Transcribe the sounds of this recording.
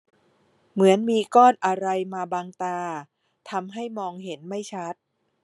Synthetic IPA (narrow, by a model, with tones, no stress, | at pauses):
mɯ˩˦ənmiː˧kɔː˥˩nʔa˧ɾa˧jmaː˧baː˧ŋt̪aː˧ | t̪ʰa˧mɦa˥˩jmɔː˧ŋɦe˩˦nma˥˩jt͡ɕʰa˦˥t̪̚